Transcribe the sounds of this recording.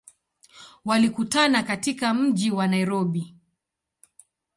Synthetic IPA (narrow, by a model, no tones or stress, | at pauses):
walikutanakatikam̩ʄiwanaiɾɔɓi